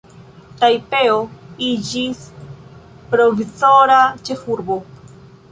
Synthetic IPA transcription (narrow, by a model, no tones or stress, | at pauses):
tajpe̞oid͡ʒis | pɾo̞vizo̞ɾat͡ʃe̞fuɾbo̞